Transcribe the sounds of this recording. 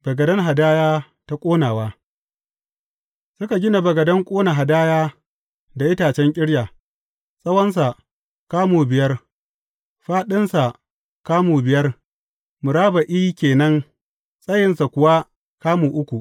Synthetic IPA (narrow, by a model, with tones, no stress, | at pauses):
b̥ɐ˨ɡɐ˨dɐ˦ŋɦa˨daː˦jaː˦ | ta˦kʷʼoː˦naː˨waː˦ | sʊ˦ka˨ɡʲɪ˦na˨bɐ˨ɡɐ˨dɐ˦ŋkʷʼoː˦na˨ɦa˨daː˦jaː˦ | da˨ʔɪ˦taː˨t͡ʃɛ˦ŋkʲʼɪ˦ɽjaː˨ | sʼɐ˦wɐ˦ns̬a˨ | kaː˦muː˨bɪ˨jɐ˦r | ɸaː˦ɗɪ˦nsa˨ | kaː˦muː˨bɪ˨jɐ˦r | mʊ˨ɾaː˦ba˨ʔiː˦kʲeː˨nɐ˦ŋ | sʼɐ˦jɪ˨nsa˨kʷʊ˨wa˦ | kaː˦muː˨ʔʊ˦kʷu˨